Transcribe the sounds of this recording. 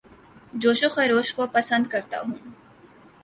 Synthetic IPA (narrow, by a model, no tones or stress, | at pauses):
d͡ʒoːʃʊxeɾoːʃkopɐsə̃nd̪kɐɾt̪a̰ɦũː